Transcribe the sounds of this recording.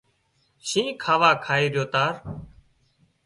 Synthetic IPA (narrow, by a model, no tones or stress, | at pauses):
ʃĩːkʰaːʋaːkʰaːiːɾjoːt̪aːɾ